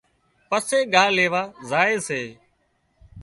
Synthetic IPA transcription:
pəseːɠaːleːʋaːzaːeːseː

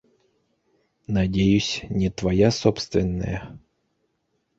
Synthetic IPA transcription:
nɐdʲejʊsʲnʲɪt̪vɐjasopst̪vʲɪnːə̰jə

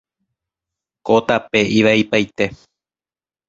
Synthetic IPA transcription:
kot̪ape̞ʔiʋaipajt̪e̞

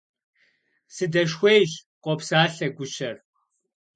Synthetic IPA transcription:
sɨdɐʃxʷejʑqʷɔpsaːɬɐɡʷʊɕɐr

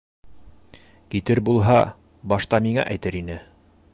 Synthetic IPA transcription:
kit̪ɘɾbulˠɦɑ | bɑʃt̪ɑmiŋæ̰ʔæjt̪ɘɾinɘ

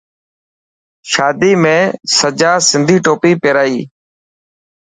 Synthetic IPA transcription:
ʃaːd̪iːmẽːsəd͡ʒaːsɪnd̪ʱiːʈoːpiːpeːɾaːiː

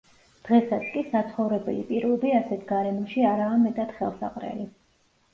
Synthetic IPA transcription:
d̪̥ʁɛsat̪sʰkʼisat̪sʰχɔvɾɛbɛ̰lḭpʼiɾvɛbiasɛt̪ʰɡaɾɛmɔʃiaɾaːmɛt̪ʼat̪χɛlˠsa̰qʼɾɛ̰li

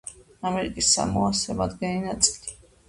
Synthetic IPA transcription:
amɛɾikʼisːa̰mɔasɛmad̪ɡɛninat̪sʼi̥li

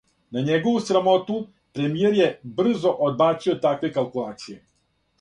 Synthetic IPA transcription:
naɲeɡo̞ʋusɾamo̞t̪u | pɾe̞mijeɾje̞br̩zo̞ʔod̪̚baːt̪sio̞t̪akʋe̞kalˠkulˠaːt̪sije̞

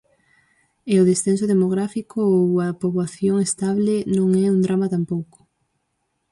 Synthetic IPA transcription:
eoðesθens̬oðemoɣɾafikoowɐpoβwaθjoŋest̪aβlenõŋɛund̪ɾamat̪ampowko̥

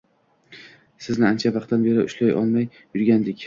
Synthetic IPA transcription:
sɪznɪant͡ʃʰavɑqt̪anbe̞ɾɪʊ̰ʃlajɒ̰lˠmajːʊɾɡʲand̪ɪkʲ

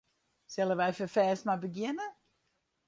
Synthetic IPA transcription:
sɪlˠəʋɛjfəfɛːstmabəɡjɪnə

